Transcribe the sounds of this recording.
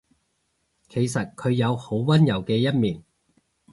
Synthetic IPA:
kʰe˨˩jsɐ˨t̚kʰɵ˨˧ɥjɐ˨˧who˨˥wwɐ˥njɐ˨˩wkɛː˧jɐ˥t̚miː˨˩n

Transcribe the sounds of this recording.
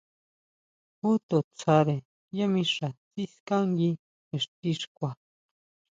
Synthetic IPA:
hu˦t̪o˨t͡sʰa˧ɾe˨ | ja˦mĩ˧ʂa˨t͡si˦skã˦ŋɡi˧ | e˨ʂt̪i˧ʂkʷa˨

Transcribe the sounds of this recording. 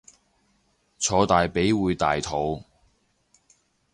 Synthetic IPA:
t͡sʰɔː˨˧t̪aː˨jpe˨˥jwuː˨˧jt̪aː˨jt̪ʰo˨˧w

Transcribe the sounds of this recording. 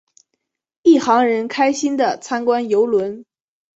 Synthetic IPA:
i˥˩xɑ˧˥ŋɻə˧˥nkʰa˥ɪɕi˥nd̪ə˨t͡sʰa˥nkwa˥njo˧˥ʊlwə˧˥n

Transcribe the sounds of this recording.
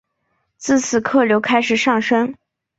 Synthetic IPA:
t͡sɹ̩˥˩t͡sʰɹ̩˥˩kʰɤ˥˩ljo˧˥ʊkʰa˥ɪʂɻ̩˨˩ʂɑ˥˩ŋʂə˥ŋ

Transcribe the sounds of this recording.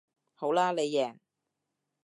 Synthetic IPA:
ho˨˥wlaː˥le˨˧jːɛː˨˩ŋ

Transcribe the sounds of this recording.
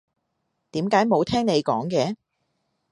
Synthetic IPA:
t̪iː˨˥mkaː˨˥jmo˨˧wt̪ʰɛː˥ŋne˨˧jkɔː˨˥ŋkɛː˨˧˥

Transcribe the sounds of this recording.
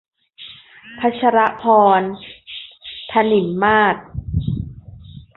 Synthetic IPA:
pʰa˦˥t͡ɕʰa˧ɾa˦˥ʔpʰɔː˧n | t̪ʰa˧ni˩˦mːaː˥˩t̪̚

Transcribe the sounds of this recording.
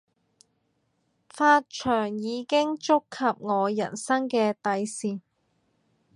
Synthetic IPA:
faː˧t̚t͡ʃʰœː˨˩ŋjiː˨˧kɪ˥ŋt͡sʊ˥kʰːɐ˨p̚ŋɔː˨˧jɐ˨˩nsɐ˥ŋkɛː˧t̪ɐ˨˧jsiː˨˩

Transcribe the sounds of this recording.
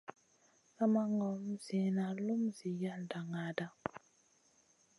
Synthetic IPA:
ka˦ma˦ŋɔ˨˦m˦zi˨na˨lu˦mzi˨ja˦lda˨ŋa˨˦da˦

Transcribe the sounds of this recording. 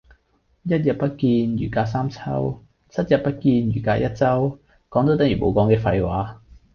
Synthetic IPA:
jɐ˥t̚jɐ˨t̚pɐ˥t̚kiː˧njyː˨˩kaː˧saː˥mt͡sʰɐ˥w | t͡sʰɐ˥t̚jɐ˨t̚pɐ˥t̚kiː˧njyː˨˩kaː˧jɐ˥t̚t͡sɐ˥w | kɔː˨˥ŋt̪o˧˥wt̪ɐ˨˥ŋjy˨˩mo˨˧wkɔː˨˥ŋkɛː˧fɐ˧jwaː˨˥

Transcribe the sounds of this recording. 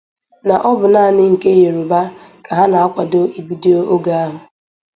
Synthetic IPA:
na˨ʔɔ˦bʊ˨na˦˨nɪ˦ŋ̩˨ke˦je˨ɾo˨ba˦kʰa˨ɦa˦na˨a˦kʷa˨do˦i˨bi˦de˦o˦ʔo˦ɡa˦a˦ɦʊ˨

